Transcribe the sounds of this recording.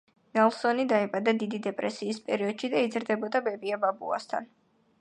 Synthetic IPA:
nɛlˠsɔnid̪aɛbʼad̪ad̪id̪id̪ɛpʼɾɛsiːspʼɛɾiɔd̪̥ʃid̪aid̪zɾd̪ɛbɔd̪abɛbiababṵa̰st̪ʰa̰n

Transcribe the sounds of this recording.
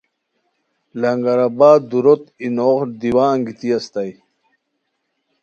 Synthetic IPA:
lɐŋɡɐɾabaːd̪uɾot̪inoːʁd̪iwaːŋɡit̪iɐst̪aj

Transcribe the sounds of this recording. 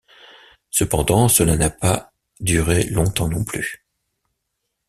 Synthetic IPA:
səpɑ̃d̪ɑ̃səlanapa | d̪yʁelɔ̃t̪ɑ̃nɔ̃ply

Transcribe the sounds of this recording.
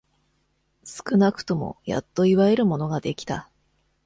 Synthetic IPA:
sɨ̥kɯ̟nakɯ̟̥t̪o̞mo̞̰ja̰t̪ːo̞iβae̞ɾɯ̟mo̞no̞ɡad̪e̞kʲi̥t̪a

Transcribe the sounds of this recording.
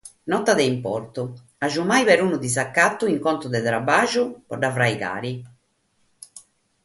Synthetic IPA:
nɔt̪ːad̪ɛimpɔɾt̪u | aʒumajβɛɾuːnud̪isakːat̪ːuiŋkɔnt̪ɾud̪ɛt̪ɾabːaːʒupɔɖavɾajka̰ːɾi

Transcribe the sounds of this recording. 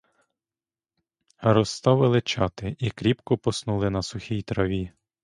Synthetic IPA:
ɾɔst̪ɑʋɪlˠɪt͡ʃɑt̪ɪʔikɾʲipkɔpɔsnulˠɪnɐsʊxʲijt̪ɾɐʋʲi

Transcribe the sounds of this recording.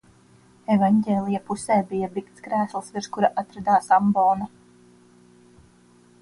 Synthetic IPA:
evaɲɟʲeːlʲˠijapusɛːbijabikt̪skɾæːslˠsviɾʃkuɾaʔat̪ɾad̪aːsambɔːna

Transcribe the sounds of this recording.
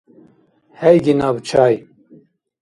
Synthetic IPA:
hɛjɡinaːbt͡ʃʰaːj

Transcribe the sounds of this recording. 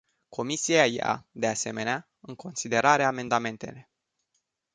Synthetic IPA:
kʰo̞misiaja̰d̪e̞ase̞me̞nea | ɨŋkʰo̞nsid̪e̞ɾaɾeame̞nd̪ame̞nt̪e̞̰le̞

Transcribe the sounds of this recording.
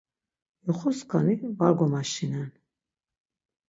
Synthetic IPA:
jɔχɔskʰanivaɡɔmaʃinɛn

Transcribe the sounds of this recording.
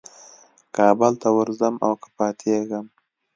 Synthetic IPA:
kɑːbəlt̪awəɾzama̰wkḁpɑːt̪ʰeɡəm

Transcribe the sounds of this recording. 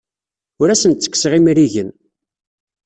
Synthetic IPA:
ʊɾæsənt̪t͡sːə̥kːsʁimɾiʝən

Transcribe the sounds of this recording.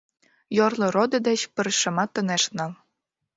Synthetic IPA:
jorlɤ̆ɾod̪ɤ̆d̪ĕt͡ɕpə̆ɾʃɤ̆mɑt̪ːə̆neʃnɑ̆l

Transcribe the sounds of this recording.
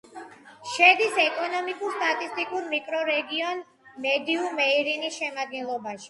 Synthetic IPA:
ʃɛd̪isɛkʼɔnɔmikʼuɾst̪ʼat̪ʼist̪ʼikʼuɾmikʼɾɔɾɛɡiɔn | mɛd̪iumɛiɾinisʃɛmad̪̚ɡɛnlˠɔbaʃi̥

